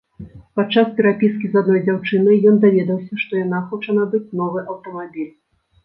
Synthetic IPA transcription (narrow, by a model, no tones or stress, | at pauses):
pat̪t͡ʂːaspʲɛɾapʲiskʲizad̪̚nɔjd͡zʲawt͡ʂɨnɨjɔnd̪avʲɛd̪ɐwsʲɐʂt̪ɔjanaxɔt͡ʂɐnɐbɨt͡sʲnɔvɨʔɐwt̪ɐmabʲilʲ